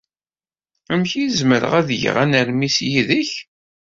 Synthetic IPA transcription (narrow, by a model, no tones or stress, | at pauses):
əmçizməɾə̰ʁæðʝ̰ʁænəɾmisjiðəç